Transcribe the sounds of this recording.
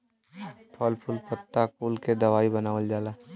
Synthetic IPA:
pʰɔlpʰʊlpət̪ːakuːlked̪ɐʋaːibɐnaːʋəld͡ʒaːlaː

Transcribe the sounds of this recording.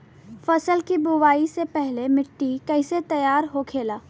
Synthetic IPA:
fɐsəlkibʊʋaːisepɛɦlemɪʈːikɛːset̪ɐjaːɾɦokʰeːlaː

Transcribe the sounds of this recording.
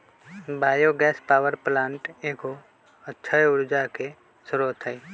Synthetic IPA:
bʱaːjoɡɛːspaːwəɾplãːɳʈeːkɦo | ətːʃʰaeʊɾd͡ʒake | sʊɾoːt̪ʰɦəi

